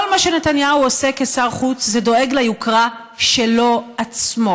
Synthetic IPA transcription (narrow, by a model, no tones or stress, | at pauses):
olmaʃene̞tanjauosekesaʁχut͡szedoe̞ɡlajukʁa | ʃelo̞at͡smo̞